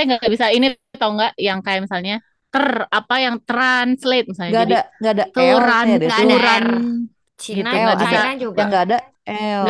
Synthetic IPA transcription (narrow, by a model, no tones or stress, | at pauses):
ŋɡaɡabisainit̪auŋɡaʔjaŋkajaʔmisalɲa | t̪ərapajaŋt̪ɾanslet̪̚misalɲaɡaadiaŋɡadat̪uɾanɾan | t͡ʃiɡiuɡabisajaŋɡaːda | ɡa